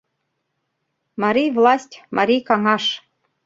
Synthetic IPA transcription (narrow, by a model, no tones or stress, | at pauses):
mɑɾʲijvlˠɑsʲtʲmʔɑɾʲijkɑŋɑʃ